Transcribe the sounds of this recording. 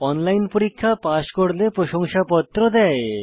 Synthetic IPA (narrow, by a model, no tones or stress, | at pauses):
ɔnlajnpoɾikʰːapaʃkoɽlepɾoʃoŋʃapɔt̪ːɾod̪ɛ